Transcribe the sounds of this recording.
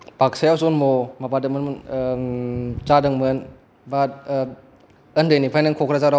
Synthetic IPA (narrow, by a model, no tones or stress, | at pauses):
pak̚sajawsonmomabadɯŋmɯnmɯn | t͡ʃadɯŋmɯn | ba | əndenipʰajnɯŋkʰokʰɾazaɾa